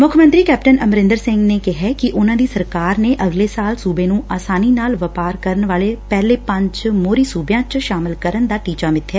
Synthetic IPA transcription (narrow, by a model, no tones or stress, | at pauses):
mʊkʰmə̃nt̪ɾiːkɛːpʈənəmɾɪ̃nd̪əɾsɪ̃ŋɡneːkɪɦɛːkɪʔʊnãːd̪iːsəɾkaːɾneːʔəɡleːsaːlsuːbeːnũːaːsaːniːnaːlʋəpaːɾkəɾənʋaːleːpɛːleːpə̃ɲd͡ʒmoːɾiːsuːbjãːt͡ʃʃaːmɪlkəɾənd̪aːʈiːt͡ʃaːmɪt̪ʰːɛː